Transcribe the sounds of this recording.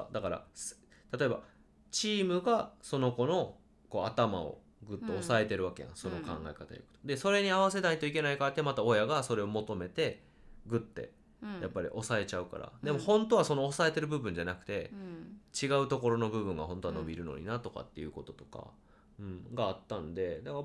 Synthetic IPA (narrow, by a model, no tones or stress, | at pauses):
d̪akaɾa̰s | t̪at̪o̞e̞ba̰ | t͡ɕiːmɯ̟ɡaso̞no̞ko̞no̞ | ko̞ːat̪ama̰o̰ | ɡɯ̟t̪ːe̞osae̞t̪e̞ɾɯ̟βake̞̰jã̰so̞no̞kã̰ŋɡa̰ekat̪a̰ja̰kɯ̟̥od̪e̞so̞ɾe̞ɲ̟iaβ̞ase̞d̪aɲit̪o̞ike̞naikaat̪ːemat̪ao̞jaɡaso̞ɾe̞o̞mo̞t̪o̞me̞t̪e̞ | ɡɯ̟t̪ːe̞̰ | japːaɾʲḭʔo̞sae̞t͡ɕaɯ̟ka̰ɾa̰d̪e̞mo̞hõ̞nt̪o̞βaso̞noːsae̞t̪e̞ɾɯ̟bɯ̟bɯ̟ɲ̟d͡ʑanakɯ̟̥t̪e̞ | t͡ɕiɡaɯ̟t̪o̞ko̞ɾo̞no̞bɯ̟bɯ̟̃ŋɡa̰ɦont̪o̞ano̞̰bʲiɾɯ̟no̞̰ɲ̟ḭnat̪o̞ka̰t̪ːe̞̰jɯ̟̰ko̞t̪o̞̥t̪o̞̥ka̰ | ɯ̟̃ɴɡaːt̪ːand̪e̞d̪aka